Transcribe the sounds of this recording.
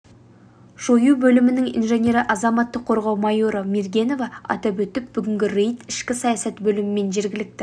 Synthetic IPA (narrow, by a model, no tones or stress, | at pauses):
ʒ̥o̞jubɵlɪmɪnɪŋḭnʒe̞nʲe̞ɾɪʔɑzɑmɑt̪ːəqʰːo̞ɾʁɑwmɑjo̞ɾəmeɾɡʲe̞no̞vɑɑ̰t̪ɑpwɵt̪ɪp̚b̥ʏɡʲɪŋɡʲɪɾejt̪ɪʃkʲɪsɑjɑsɑt̪bɵlɪmɪme̞nʒe̞ɾɡʲɪlɪk̚t̪ɪ